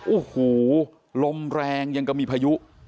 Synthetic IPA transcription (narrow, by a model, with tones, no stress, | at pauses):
ʔoː˨˩huː˨˩˦ | lo˧mɾɛː˧ŋja˧ŋka˧˩miː˧pʰaː˧ju˦˥ʔ